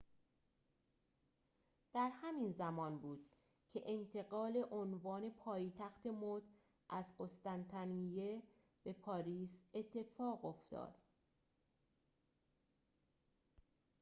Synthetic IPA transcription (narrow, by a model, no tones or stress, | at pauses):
d̪̥æɾhæminzæmɒːnbuːd̪̥ | cʰe̞ʔent̪ʰe̞ɣɒːle̞ʔonvɒːne̞pʰɒːjt̪ʰæxt̪ʰe̞mod̪ | ʔæzɢo̞st̪ænt̪ʰænije | b̥e̞pʰɒːɾiːse̞t̪ʰːe̞fɒːɣo̞ft̪ɒ̰ːd̪̥